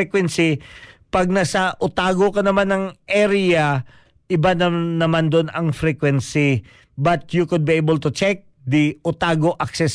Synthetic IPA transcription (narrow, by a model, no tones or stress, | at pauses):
ɛkwɛnsipɐɡ̚nasɐʔʊt̪aːɡokɐnɐmanɐŋʔɛɾɪa | ʔɪbanɐnːɐmand̪onɐŋfɾɛkwɛnsi | bɐt̪̚jukʊd̪̚biebəlt̪ʊt͡ʃɛk̚ | d̪iʔʊt̪aːɡoʔɐksɛs